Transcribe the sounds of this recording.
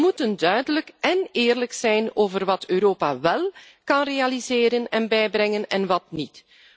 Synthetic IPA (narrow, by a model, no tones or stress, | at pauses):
mutəndœɥdələkɛnɪːrləksɛjnoːvərʋɑtøːɾoːpa̰ʋɛlˠ | kɑnrealizeːɾənɛnbɛjbrɛŋənɛnʋɑtnit